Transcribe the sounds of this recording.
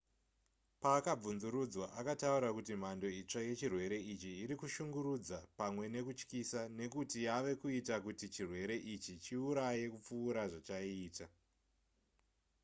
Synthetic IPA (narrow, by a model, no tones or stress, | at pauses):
paːkab͡vunzuɾud͡zwaʔakatauɾakutim̤ando̞it͡ʂaje̞t͡ʃirwe̞ɾe̞it͡ʃiːɾikuʃuŋɡuɾud͡zapamwe̞ne̞kut͡ʃkisane̞kutijaʋe̞kuitakutit͡ʃirwe̞ɾe̞ʔit͡ʃit͡ʃiuɾaje̞kup͡fuːɾaʐat͡ʃaiːta